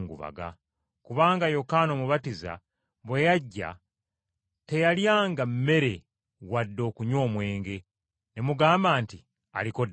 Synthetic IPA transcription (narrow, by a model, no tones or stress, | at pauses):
ŋɡṵβa̰ɡa̰ | kuβaːŋɡajo̞kaːnomuβatiza̰ | βwejaɟːa̰ | te̞jaljaːŋɡamːe̞ɾe̞ | wadːo̞ːkuɲo̞ːmwe̞ːŋɡe̞ | nemuɡaːmbaːnti | a̰liko̞d